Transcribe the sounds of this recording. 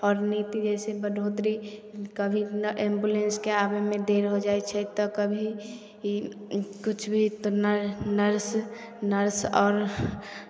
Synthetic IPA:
ɔːɾnit̪id͡ʒɛːsebəd̪ʱoːt̪ɾikəbʱiʔẽːmbulenskeaːbemẽd̪eːɾɦod͡ʒaːet͡ʃʰɛt̪ɔkəbʱi | kʊt͡ʃʰbʱit̪onənəɾs | nəɾsɔːɾ

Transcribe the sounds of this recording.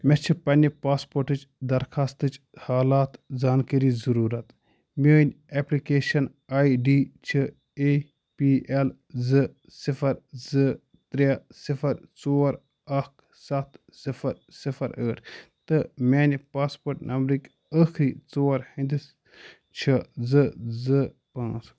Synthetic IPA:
mʲɛt͡ʃʰɨpɐnʲipaːspoːɾʈɨt͡ʃd̪ɐɾxʰaːst̪ɨt͡ʃ | haːlaːt̪zaːnkəɾiːzɐɾuːɾɐt̪ | mʲeːnʲeplikeːʃɐn | aːiɖiːt͡ʃʰɨ | e | piːʔel | zɨ | sifʰɐɾzɨ | t̪ɾasifʰɐɾt͡soːɾ | ɐkʰ | sɐt̪ʰ | sifʰɐɾ | sifʰɐɾəːʈʰt̪ɨmʲeːnʲpaːspoːɾʈnʔɐmbɾikʲ | əxʰɾiːt͡soːɾhĩnd̪is | t͡ʃʰɐzɨzɨ | pãːt͡s

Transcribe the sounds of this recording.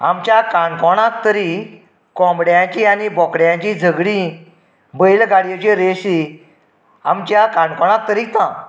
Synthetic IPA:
a̰mt͡ɕjakãɳkɔɽ̃ak̚t̪əɾi | kɔ̃mbɽjãt͡ɕianibɔkɽjãt͡ɕid͡zʱəɡɽĩ | bəjlɡaɽjet͡ɕeɾeɕi | a̰mt͡ɕjakãɳɖkɔɽ̃ãk̚t̪əɾit̪ã

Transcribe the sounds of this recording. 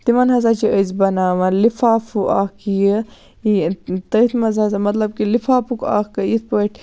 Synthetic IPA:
t̪imɐnɦɐzaːt͡ʃiʔəzbɐnaːʋɐlifaːfuʔaːkijə | t̪ɐt̪ʰmɐzɐzamɐt̪lɐb̚kilifaːpuka̰ːkkɐjit̪̚pəʈ

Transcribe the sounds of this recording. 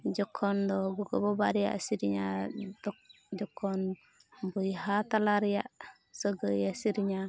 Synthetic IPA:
d͡ʒɔkʰːɔndɔɡuɡɔbɔbaɾija̰a̰siɾiɲadɔ | d͡ʒɔkʰːɔn | bujɦatalaɾija̰ | sɔɡəjasiɾiɲa

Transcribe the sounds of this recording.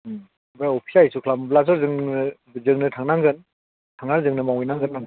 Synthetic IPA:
bajɔpʰi̥saisukʰlamblaz̬ɔɾzɯŋnɯ | zɯŋnɯtʰaŋnaŋɡɯn | tʰaŋnaɾzɯŋnɯmawinaŋɡɯnːaŋ

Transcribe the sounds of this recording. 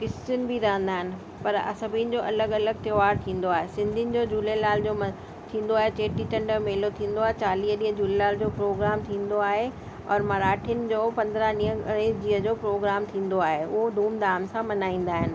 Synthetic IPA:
kɪst͡ɕʊnɪ̆bʱiɾɐɦə̃n̆d̪aːɦɪnɪ̆ | pɐɾɐ̰sɐbiːn̆d͡ʑoːʔɐləɡɐləɡ̚t̪joːʋaːɾt̪ʰĩːn̆d̪oaːɦesɪ̃nd̪ʱiənɪ̆d͡ʑoːd͡ʑuːlelaːld͡ʑoːm | t̪ʰĩːn̆d̪oaːɦet͡ɕeːʈit͡ɕɐ̃ɳɖəmeːlot̪ʰĩːn̆d̪oaːɦet͡ɕaːliːɦɗiːɦəd͡ʑuːlelaːld͡ʑoːpɾoːɡɾaːmt̪ʰĩːnd̪oaːɦe | ɔ̰ːɾmɐɾaːʈʰijʊnɪ̆d͡ʑoːpɐ̃nd̪ɾəɗiːəed͡ʑiːɦəd͡ʑoːpɾoːɡɾaːmt̪ʰĩːn̆d̪oaːɦeʊɦod̪ʱuːmd̪aːmsãmɐnaːĩːn̆d̪aːɦɪnɪ̆

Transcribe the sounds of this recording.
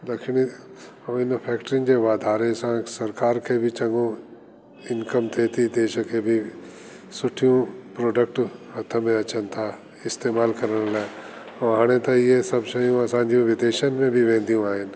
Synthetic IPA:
d̪ɐkʃni | ɪnpʰɛːk̚ʈɾɪ̃ŋd͡ʒeʋaːd̪ʱaːɾesãsɐɾkaːɾkʰebʱit͡ʃɐ̃ŋɡõ | ɪnkəmt̪ʰeːt̪ʰid̪eːʃkʰebʱi | sʊʈʰijũpɾoːɖək̚ʈɐt̪ʰəmẽɐt͡ʃənt̪ʰa | ɪst̪eːmaːlkɐɾəɽ̃la | ɔɦãːɽ̃ẽt̪ãjesɐbʃəijũɐsãːd͡ʒijũʋɪd̪eːʃənmẽbʱiʋẽːnd̪ijũaːɦɪn

